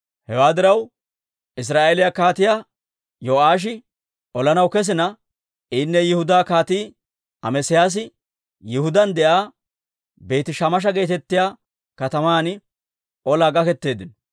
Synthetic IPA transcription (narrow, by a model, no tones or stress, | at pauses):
hɛwaːd̪ɪɾɐw | ʔɪs̬ɾaːʔelɪjakaːt̪ɪja | joːʔaːʃ̬ɪ | ʔɔlɐnɐwkɛs̬ɪnɐ | ʔɪnːɛjɪhʊd̪aːkaːt̪iː | ɐmɛsɪjaːs̬ɪ | jɪhʊd̪ɐnd̪ɛʔaː | be̞ːt̪ɪʃɐmɐʃ̬ɐɡe̞ːt̪ɛt̪ːɪjaː | kɐt̪ɐmaːnɪ | ʔɔlaːɡɐkɛt̪ːe̞ːd̪ɪn